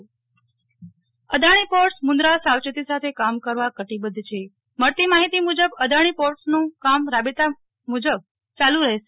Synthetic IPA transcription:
əd̪ʱaɽ̃ipoɾʈsmund̪ɾasawt͡ʃət̪isat̪ʰekamkəɾʋakəʈibəd̪ʱːt͡ʃʰe | məɾt̪imaɦit̪imud͡ʒəbəd̪ʱaɽ̃ipoɾʈsnũkamɾabet̪a | mud͡ʒəb̚ | t͡ʃaluɾəɦeʃe

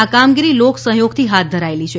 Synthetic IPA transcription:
akamɡiɾiloksə̃ɦjoɡt̪ʰiɦat̪̚d̪ʱəɾaelit͡ʃʰe

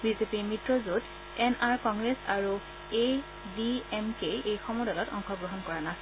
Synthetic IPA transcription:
bizepimɹitɹɔzud | ɛnaɹkɔŋɡɹesaɹu | e | biemkejejxɔmɔdalɔtɔ̰ŋxɔɡɹɔɦɔnkɔɹanas

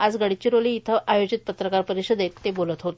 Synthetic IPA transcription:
ad͡zɡəɽit͡ɕiɾoliːt̪ʰəʔajod͡ʑit̪̚pət̪ɾəkaɾpəɾiɕud̪et̪ːebolət̪ɦot̪

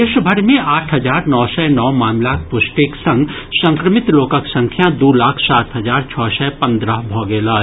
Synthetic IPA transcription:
eːʃəbʱəɾmẽaːʈʰɦəzaːɾnɔːsɛnɔːmaːmlakpʊsʈɪksə̃ŋɡ | sə̃ŋkɾəmɪt̪loːkəksə̃ŋkʰjãd̪uːlaːkʰsaːt̪ɦəzaːɾt͡ʃʰɔːsɛpɐ̃nd̪ɾəɦbʱɔːɡɛlaː

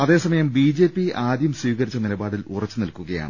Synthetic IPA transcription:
ɐðe̞ːsɐmɐjɐmbiːd͡ʑe̞ːpːiaːd̪jɐmswiːɣɐɾit͡ɕːɐnilɐbaːɽilurɐt͡ɕːɨnilkuɣɐja̰ːɳɨ

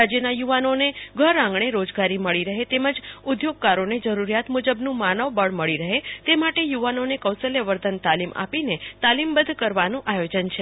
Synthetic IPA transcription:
ad͡ʒjənajuʋanoneɡʱəɾãŋɡɳ̃eɾod͡ʒɡaɾiməɭiɾəɦet̪eməd͡ʒʊd̪ʱjoɡ̚kaɾoned͡ʒəɾuɾijat̪mud͡ʒəbnũmanəʋbəɭməɭiɾəɦet̪emaʈejuʋanonekəwsəljeʋəɾd̪ənt̪alima̰pinet̪alimbəd̪ʱkəɾʋanũʔajod͡ʒənt͡ʃʰe

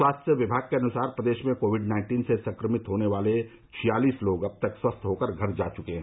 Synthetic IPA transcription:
waːst̪jəʋɪbʱaːɡ̚keɐnʊsaːɾpɾɐd̪eːʃmẽkoːʋɪɖnãːɪ̃ɳʈiːnsesɐ̃ŋkɾəmɪt̪ɦoːneʋaːle | t͡ʃʰijaːliːsloːɡɐb̚t̪ɐkswɐst̪ʰɦoːkəɾɡʱɐɾd͡ʒa̰ːt͡ʃʊkẽɦɛ̃

